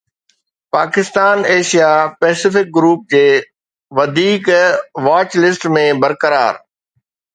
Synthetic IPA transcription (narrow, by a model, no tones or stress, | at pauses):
paːkɪst̪aːneːʃijapɛːsɪfɪk̚ɡɾuːp̚d͡ʑeː | ʋɐd̪ʱiːkʋaːt͡ɕlɪsʈmẽbɐɾkəɾa̰ːɾ